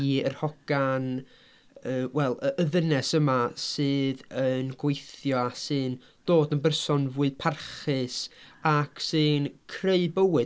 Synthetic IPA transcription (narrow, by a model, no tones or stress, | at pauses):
iərhɔɡ̥an | əːwɛlˠəəðənɛsəmasɨːðənɡ̥wejθjɔasɨn | d̥oːdənbərsɔnvuːɨpʰarχɨsaksɨːnkʰreɨd̚bəwɨ